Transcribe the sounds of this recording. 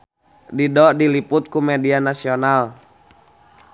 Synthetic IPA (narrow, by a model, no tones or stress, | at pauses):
didɔʔdiliput̪̚kumɛdianasiɔnal